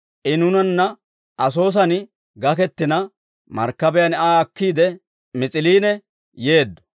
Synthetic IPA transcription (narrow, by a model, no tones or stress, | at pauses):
ʔɪnʊnɐnːɐ | ʔɐs̬o̞ːs̬ɐn | ɡɐkɛt̪ːɪnɐ | mɐ̰ɾkːɐbɛjɐnaːɐkːiːd̪ɛ | mɪt͡sʼɪliːnɛ | je̞ːd̪ːɔ̥